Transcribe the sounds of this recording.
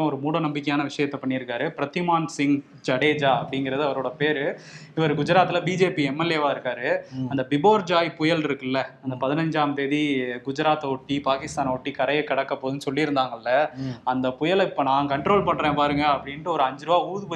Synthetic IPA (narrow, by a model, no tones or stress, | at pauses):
ɐ̃ɔɾɯmuːɽɐnɐmbɪkːɐjaːnɐʋɪʂɐjɐt̪ːɐpɐɳːɪɾɯkːaːɾɯpɪɾɐt̪ɪmaːnsɪŋ | d͡ʒɐɽeːd͡ʒaːɐpːɐɽɪŋɡɪɾɐðɯɐʋɐɾoːɽɐpeːɾɯ | ɪʋɐɾɯɡʊd͡ʒʊɾaːt̪ːɪlɐbiːd͡ʒeːpiɛmːɛleːʋaːɪɾɯkːaːɾɯɐnd̪ɐbɪboːɾd͡ʒaːjpʊjɐlɪɾɯkːɯlːɐɐnd̪ɐpɐðɪnɐɲd͡ʒaːmt̪eːðiɡʊd͡ʒʊɾaːt̪ːɔʈːipaːkɪst̪aːnɔʈːikɐɾɐjɐkːɐɽɐkːɐpːoːðɯnɯsɔlːiɪɾɯnd̪aːŋɡɐlːɐɐnd̪ɐpʊjɐlɪpːɐnãːkɐɳʈɾoːlpɐɳːɾẽːpaːɾɯŋɡɐːpːɐɽɪnʈɯɔɾɯɐɲd͡ʒɾɯʋaːuːðɯpː